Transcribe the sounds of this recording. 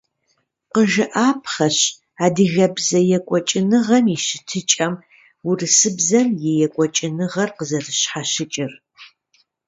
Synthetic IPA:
qəʒɨʔaːpʰχɐɕ | aːdɨɣɐbzɐjɛkʷʼɔt͡ʃʼɪnɨʁɐmiʃɪtʰɨt͡ʃʼɐm | urɨsɨbzɐmjɛjɛkʷʼɔt͡ʃʼɪnɨʁɐrqəzɐrɨɕħaɕɪt͡ʃʼɪr

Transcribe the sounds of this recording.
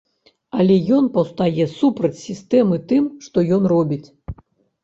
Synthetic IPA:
alʲɛjɔnpɐwst̪ajɛsupɾɐt͡sʲsʲist̪ɛmɨt̪ɨmʂt̪ɔjɔnrɔbʲit͡sʲ

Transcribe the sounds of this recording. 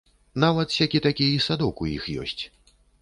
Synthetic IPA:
navɐt̪sʲakʲit̪akʲiisad̪ɔkujḭxjɔ̰sʲt͡sʲ

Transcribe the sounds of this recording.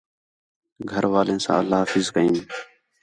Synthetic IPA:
ɡʱəɾʋaːlẽːsã̰ːə̰lːaːafɪzkəiːn

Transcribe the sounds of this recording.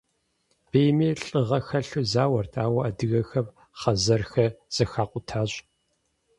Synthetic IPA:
b̥eːjmiːɬʼɨʁɐxɐɬɨzaːwɐrtʰaːwɐɐdɨɣɐxɐm | χɐzɐrxɐz̥ɐxaːqʷʼʊtʰaːɕ

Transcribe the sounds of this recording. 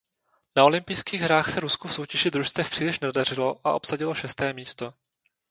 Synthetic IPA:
nao̞lɪmpɪjskiːɣɦɾaːxsɛɾuskufso̞wcɛʒɪd̪ɾuʃst̪vɛfpr̥iːlɪʃnɛdar̝ɪlo̞ʔa̰ʔo̞psaɟɪlo̞ʃɛst̪ɛːmiːst̪o̞

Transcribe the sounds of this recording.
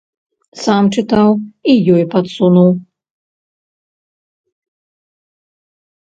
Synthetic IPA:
samt͡ʂɨt̪awijɔjpɐt̪sunuw

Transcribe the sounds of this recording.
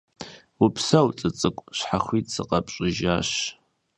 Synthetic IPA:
ʊpʰsawt͡sʼɨt͡sʼɨkʷʼɕħaχʷitʼsɨqʼɐpʼɕʼɪʒaʃ

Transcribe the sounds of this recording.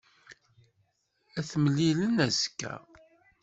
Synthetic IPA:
æθməlːilənæzkːæ̰

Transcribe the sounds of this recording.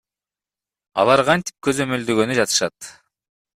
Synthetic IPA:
ɑ̰lˠɑɾqʰɑnt̪i̥p̚kø̞zø̞mø̞ld̪øɡø̞nyd͡ʒɑt̪ɯ̥ʃɑt̪

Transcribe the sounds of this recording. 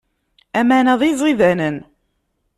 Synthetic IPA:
æmanæðˤizˤiðænən

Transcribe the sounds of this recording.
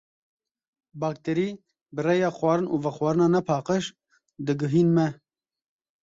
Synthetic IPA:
bɑːk̚t̪eɾiː | bɨrɛjɑːxwɑːɾɨnʔuːvɛxwʷɑːɾɨnɑːnɛpʰɑːqəʃ | d̪ɨɡɨɦiːnmɛ

